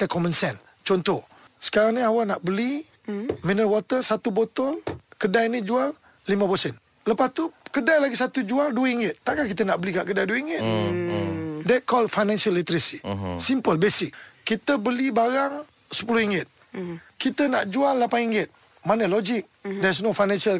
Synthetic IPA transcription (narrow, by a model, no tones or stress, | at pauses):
k̪akɔmənsɛn | t͡ʃɔnt̪ɔ | sə̥kaɾaŋniawanaʔbəli | minəwɔt̪əsat̪ubot̪ɔlkədajnid͡ʒualː | imãpəsɛn | ləpast̪ukədajlaɡisat̪ud͡ʒualduwəiŋɡɪt̪̚ːaʔkankit̪ənaʔbəlikaʔkədajduəiŋɡɪt̪̚ | dɛt̪̚kɔldfajnɛ̃nsalːit̪ɾisisimpəlbesɪk̚kːit̪əbəlibaɾaŋ | sə̥puluhiŋɡɪt̪̚ | kit̪ənaʔd͡ʒualːapaniŋɡɪt̪̚ | manəlod͡ʒɪk̚dɛs̬nofajnɛ̃nsəl